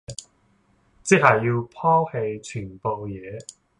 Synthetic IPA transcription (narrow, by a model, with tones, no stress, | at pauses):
t͡si˥k̚hɐ˨jːiː˧wpʰɔː˥he˧jt͡ʃʰyː˨˩npo˨wjɛː˨˧